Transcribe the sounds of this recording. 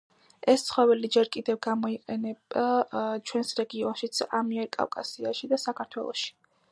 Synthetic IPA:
ɛst̪sχɔvɛlid͡ʒɛɾkʼid̪ɛvɡamɔiqʼɛnɛbat͡ʃʰwɛnsɾɛɡiɔnʃit̪sʰamiɛɾkʼa̰fkʼasiaʃid̪asakʰaɾt̪ʰwɛlˠɔ̰ʃi̥

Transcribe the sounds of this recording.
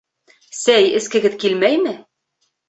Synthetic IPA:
sæjɘ̆skɘ̆ɡɘ̆ðkilmæjmɘ

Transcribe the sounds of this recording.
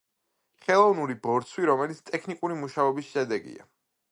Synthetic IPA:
χɛlˠɔvnuɾibɔɾt̪sʰwiɾɔmɛlit̪sʰt̪ʼɛkʰnikʼuɾimuʃaɔbisʃɛd̪ɛɡḭa̰

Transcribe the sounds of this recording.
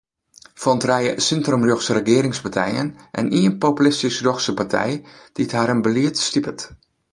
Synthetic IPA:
fɔntrɛjə̰sɪntromrjoxsərəɡɪːɾɪŋspatʰɛjə̰nʔɛ̰nʔiənpopylɪstisroxsəpartʰɛ̰jd̥ithaːɾənbəliətstipət

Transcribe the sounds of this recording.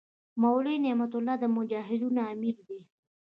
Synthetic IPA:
mawɽenemat̪ʊlːɑd̪əmʊd͡ʒɑːɦɪd̪unaːmiɾd̪e

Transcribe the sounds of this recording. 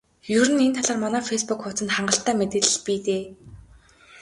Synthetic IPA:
jɵɾɘ̆nent̪ʰaɮaːrmɔnɔːfespukxʊt͡sɘ̆nt̪χaɴɢə̆ɬt̪æːmet̪eːɮ̆ɮpiːt̪eː

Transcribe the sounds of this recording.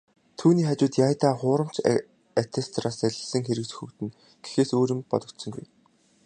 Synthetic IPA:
t̪ʰuːniːχat͡ɕʊːt̪jaːjt̪aːχʊːɾə̆m̥t͡ɕʰ | at̪ʰest̪raːsæɮʲɪ̆ɮsə̆ŋxeɾɘ̆kt͡ɕɵ̥xɵkt̪ɘ̆n | ɡ̥e̥xeːsoːɾɪ̆mpɔ̰t̪ɞ̆kt̪sɞ̆ŋɡṵj

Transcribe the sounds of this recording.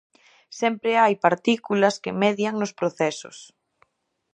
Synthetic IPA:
sɛmpɾeajpaɾt̪ikulɐskemɛðjaŋnospɾoθɛsʊ̰s

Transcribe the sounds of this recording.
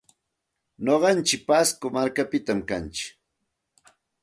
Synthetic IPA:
noɢɑnt͡ʃɪk̚paskomaɾkapɪt̪amkant͡ʃɪ̥k

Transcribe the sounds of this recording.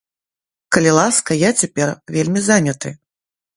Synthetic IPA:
kɐlʲilˠaskɐjat͡sʲapʲɛrvʲelʲmʲizanʲɐt̪ɨ

